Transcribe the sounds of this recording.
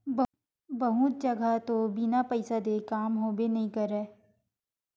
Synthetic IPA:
bɐɦũt̪̚d͡ʒɐɡʱat̪obinapəɪsəd̪ekaːmɦoːbenɐɦĩkɐɾɛː

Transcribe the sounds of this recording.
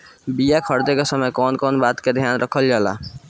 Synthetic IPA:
bijakʰəɾd̪ekesəməjkɔːnkɔːnbat̪ked̪ʱjanɾʔəkʰəld͡ʒala̰

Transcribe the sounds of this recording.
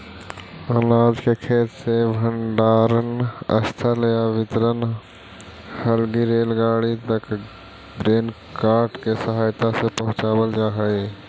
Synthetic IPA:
aːlaːd͡ʒkekʰeːt̪sebʱə̃ɳɖaːɾənə̰st̪ʰaləjaʋɪt̪ɾən | həlɡiɾeːlɡaːɽit̪ək | dɾeːn | kaːɾʈkesəɦaːjt̪asepəɦʊ̃t͡ʃaːwəld͡ʒaːɦəe

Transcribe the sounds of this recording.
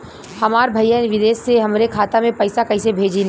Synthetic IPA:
hɐmaːɾbʱɐɪjanʋɪd̪eːsːeɦɐmɾekʰaːt̪amẽpɐɪsakɐisebʱeːd͡ʒin

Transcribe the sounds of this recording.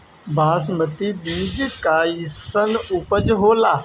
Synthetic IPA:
bʱaːsmət̪ibiːd͡ʒkaːisənʊpəd͡ʒɦoːlaː

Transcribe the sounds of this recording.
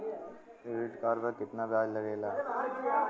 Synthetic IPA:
ʋɪʈkaːɾbəɾkɪt̪nabjaːd͡ʒlɐɡeːlaː

